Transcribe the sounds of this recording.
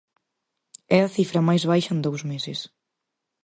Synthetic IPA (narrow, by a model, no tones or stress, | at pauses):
ɛɐθifɾɐmajzβajʃɐend̪owzmesɪs